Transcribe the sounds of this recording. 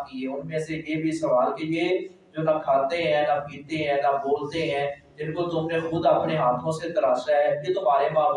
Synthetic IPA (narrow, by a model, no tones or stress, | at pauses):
kiɛʊnmẽːsejeːbʱisɐʋaːlkejeː | d͡ʒoːnakʰaːt̪eɦɛ̃ːnapiːt̪eɦɛ̃ːnaboːlt̪eɦɛ̃ːd͡ʒɪnkot̪ʊmnẽxʊd̪ɐpneɦaːt̪ʰõset̪əɾaːsaɦɛjet̪ʊmaːɾemãː